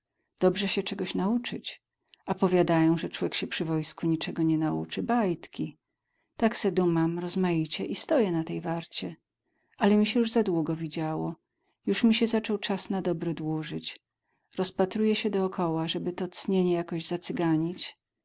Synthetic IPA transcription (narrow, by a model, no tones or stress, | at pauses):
d̪̥ɔbʐɛɕɛt͡ʂɛɡɔɕnaut͡ʂɘt͡ɕ | apɔvʲjad̪ajɔ̃w̃ʐɛt͡ʂwɔvʲjɛkɕɛpʂɘvɔjskuɲit͡ʂɛɡɔɲɛnaṵt͡ʂɘbajt̪kʲi | t̪aksɛd̪umamɾɔzmajit͡ɕɛʔist̪ɔjɛnat̪ɛjvaɾt͡ɕɛ | ʔalɛmʲiɕɛjuʐzad̪wuɡɔvʲid͡ʑawɔ | juʂmʲiɕɛzat͡ʂɔwt͡ʂasnad̪ɔbɾɛd̪wuʐɘt͡ɕ | ɾɔspat̪ɾujɛɕɛd̪ɔːkʰɔwaʐɛbɘt̪ɔt̪sɲeɲɛjakɔʑzat̪sɘɡaɲit͡ɕ